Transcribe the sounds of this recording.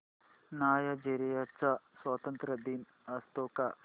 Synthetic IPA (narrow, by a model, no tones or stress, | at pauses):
naːjɐd͡ʒeɾijɐt͡ʃaswɐt̪ɐnt̪ɾɐd̪iːn | ɐst̪oːka